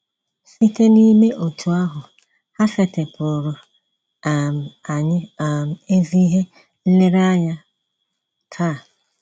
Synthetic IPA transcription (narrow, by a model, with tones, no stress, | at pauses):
si˦te˦ni˦me˦ʔo˨tʰu˨a˦ɦʊ˨ | ha˦fe˨te˨pʊ˨ɾʊ˨ | a˨m˨a˨ɲ˦˨m̩˨e˦zi˦ɦe˦ | le˦ɾa˦ɲa˦˨ | tʰa˦˨